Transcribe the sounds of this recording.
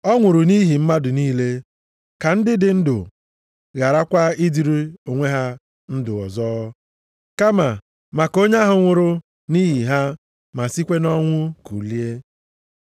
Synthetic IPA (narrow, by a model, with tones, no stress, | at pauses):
ɔ˦ŋʷʊ˨ɾʊ˨ni˦ɦi˨m̩˦ma˦dʊ˨niː˦le˦ | ka˨n̩˦dɪ˦dɪ˨n̩˦dʊ̰˨ | ɣa˨ɾa˦kʷa˦i˦di˨ɾi˦o˨ŋʷe˦ɦa˦ | n̩˦dʊ˨ɔ˨zɔː˦ | ka˦ma˨ | ma˨ko˦ɲa˦ɦʊ˨ŋʷʊ˨ɾʊ˦ | ni˦ɦi˨ɦa˦ | ma˨si˦kʷe˦nɔ˦ŋʷʊ˦kṵ˨li˦e˦